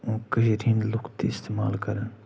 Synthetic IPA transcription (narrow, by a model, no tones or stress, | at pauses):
ũːkɐɦiɾʰĩːnlʊkt̪iɪst̪eːmaːlkɐɾən